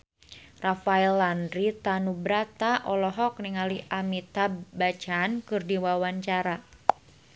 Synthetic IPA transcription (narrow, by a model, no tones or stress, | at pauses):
rafaɛlːandɾit̪anubɾat̪aʔɔlɔɦɔk̚niŋaliʔamit̪abat͡ʃankɨrdiwawaɲt͡ʃaɾa